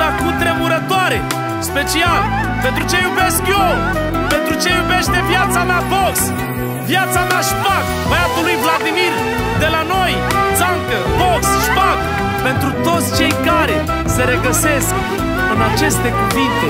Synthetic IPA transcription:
akut̪ɾemuɾɐt̪ɔɾe | ʃpet͡ʃialˠ | pẽnt̪ɾut͡ʃẽjuveʃkjo | pẽnt̪ɾut͡ʃejuveʃt̪evjat̪samavɔks | vjat̪samaʃpaɣuvajapoluĩvlˠaðimiɾ | d̪elanɔj̪zãŋkɐvɔksʃpaɣu | pẽnt̪ɾut̪ozt͡ʃẽjkaɾe | seʁeɣɐsese | ɐnat͡ʃest̪ekuvĩt̪e

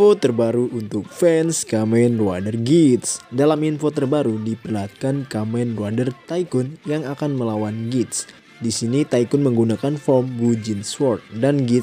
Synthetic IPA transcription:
fot̪ərbaɾuʔunt̪ʊk̚fɛnskamɛnrua̰dərɡit̪sdalaminfot̪ərbaɾudipərlat̪̚kankamɛnrwadərt̪ajkʊnjaŋakanməlawanɡit̪̚s | disinit̪aikʊnməŋɡunakanfɔmɡud͡ʒinswɔrt̪̚danɡit̪

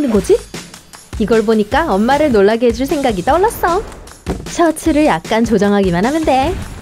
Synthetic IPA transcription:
nɯnɡʌd͡ʑi | iɡʌɭboɲik͈aʌnmaɾɯɭnoɭːaɡeɦed͡ʑuɭsʰe̞ŋɡaɡit͈ʌɭːas͈ʌ | t͡ɕʰʌtʰɯɾɯɭjak̚k͈ant͡ɕod͡ʑʌŋɦaɡimanɦanɯnde̞

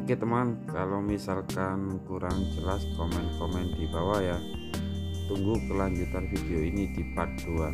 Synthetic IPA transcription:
kit̪əmankalomisalkankuɾaŋd͡ʒəlaskɔmɛnkɔmɛnd̪̥ibawaja | t̪uŋɡukəlaɲd͡ʒut̪anfid̪̥ioinid̪̥ipak̚d̪̥ua

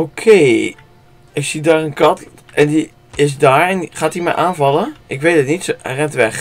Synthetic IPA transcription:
okʰeː | ɪsidaːrənkɑt | ʔɛndi | ɪs̬daːɹɛnχaːtimɛ̰jʔaːnvɑləʔɪkʋedətnitsrɛntʋɛx

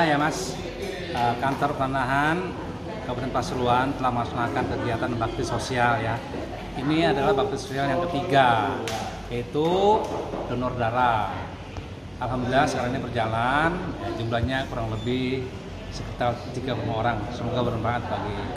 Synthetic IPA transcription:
ajamas | əkant̪ɔrpət̪anaɦan | kapət̪ɛnpasɾuant̪əlahməasanakankəkiat̪anbak̚t̪ɪsosialja | iniadalahbak̚t̪ɪsosialjaŋkərt̪iɡa | jait̪u | dɔnɔrdaɾa | alɦamdəlasəkaɾaŋinibərd͡ʒalanjad͡ʒumlahɲakuɾaŋləbɪ | səkit̪art̪iɡakomaoɾaŋsəmoɡabəɾənbaŋat̪̚baɡi

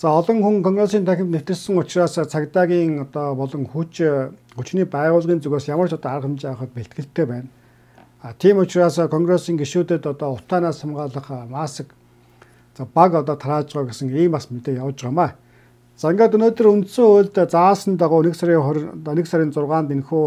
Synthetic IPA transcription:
t͡saːɔɮɞ̆ŋxuŋkʰɔŋɡresiːnt̪ʰæxʲɪ̆mt̪newt̪ɘ̆ɮsɘ̆ŋʊt͡ɕraːst͡sʰakt̪aːɣʲiːŋɔt̪ɔːpɔɮɞ̆ŋxut͡ɕ | xut͡ɕniːpæːʁʊːɮʁiːnt͡suɣeːsjamə̆r̥t͡ɕɔt̪ɔːarəχə̆mt͡ɕpæːχə̆t̪̚peɬt̪̚ɡɘ̆ɬt̪ʰːeːpæːn | aːt̪ʰiːmʊt͡ɕraːskʰɔŋɡresiːŋɡeʃuːt̪ĕt̪ɔt̪ɔːʊt̪ʰaːnaːsamɢaːɮə̆χmaːsə̆k | t͡saːpakɔt̪ɔːt̪ʰaɾaːt͡ɕʁaːɡesə̆ŋiːmpasmet̪eːjawt͡ɕʁaːmaː | t͡saːeŋɡaːt̪ɵnoːt̪ɵ̆runt̪soːoɮt̪t͡saːsə̆nt̪aʁʊːnĕksaɾʲiːnĕksaɾʲiːnt͡sʊrʁaːnt̪en̆xuː

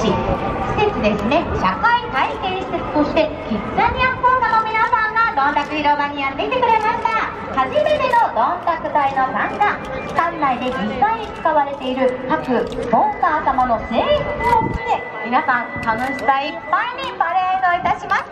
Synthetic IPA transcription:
içi̥se̞t͡sɨd̪e̞sɨne̞ɕakait̪aike̞ːɕi̥se̥t̪oɕi̥t̪e̞kit͡sːaɲ̟ijakoːk̪anomʲinasãŋɡad̪õ̞nt̪akɯ̟çiɾo̞baɲ̟ijat̪ːe̞kit̪e̞kɯ̟ɾe̞maɕi̥t̪a | haʑime̞t̪e̞no̞d̪õnt̪akɯ̟t̪aino̞sãŋka | kãnːaid̪e̞ɡĩkaiɲ̟it͡sɨ̥kaβaɾe̞t̪e̞iɾɯ̟kakɯ̟bõ̞ŋkaːt̪amano̞se̞ːɸɯ̟t͡sɨokʲid̪e̞ | mʲinasãŋk̪anõɕibaipːaiɲ̟ipaɾeanoit̪aɕimas

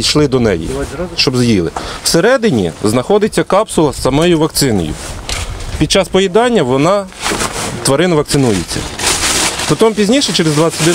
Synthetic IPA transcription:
ijʃlˠɪd̪ɔnɛ̰jḭʃt͡ʃɔbzjilˠɪ̰wseɾɛd̪ɪnʲiznɐxɔd̪ɪt͡sʲːɐkɑpsʊlˠɐsːɐmɔjʊʋɐkt̪sɪnɔ̰jʊ̰ | pʲid̪̚t͡ʃɑspɔjʲid̪ɑnʲːɐʋɔnɑ | t̪ʋɐɾɪnʋɐk̪̚sɪnujet͡sʲːɐ̰ | p̪ɔt̪ɔmpʲizʲnʲiʃɛt͡ʃɛɾezd̪ʋɑt͡sʲːɐt̪ʲd̪ɛ

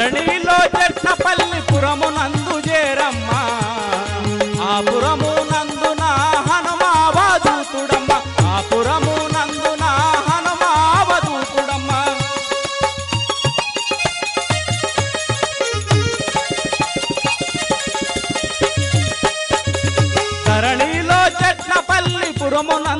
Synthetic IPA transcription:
ɐɳiloːt͡ʃɛʈːɐpɐlːipuɾɐmunɐnd̪ud͡ʒɛːɾɐmːɐ | aːpuɾɐmunɐnd̪unɐɦɐnumaʋaːd̪uːt̪uɽɐmːɐ | aːpuɾɐmunɐnd̪unɐɦɐnumɐʋɐd̪uːt̪uɽɐmːɐ | t̪ɐɾɐɳiloːt͡ʃɐʈnɐpɐlːipuɾɐmunɐ

